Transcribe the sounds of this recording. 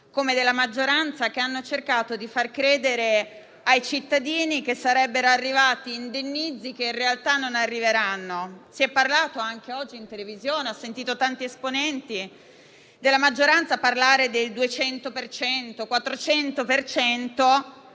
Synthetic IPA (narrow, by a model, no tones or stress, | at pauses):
komed̪elːamad͡ʒːoɾant̪sakeanːot͡ʃerkaːt̪od̪ifarkɾeːd̪eɾe | ajt͡ʃit̪ːad̪iːnikesːaɾɛbːeɾoarːivaːt̪iːnd̪enːid̪zikeinrealt̪anːonarːiveɾanːosiɛpːarlaːt̪oaŋkeɔd͡ʒːiːnt̪elevizjoːneɔsːent̪iːt̪ot̪ant̪iesponɛnt̪i | d̪elːamad͡ʒːoɾant̪saparlaːɾed̪eld̪uet͡ʃɛnt̪opert͡ʃɛnt̪okwat̪ːɾot͡ʃɛnt̪opert͡ʃɛnt̪o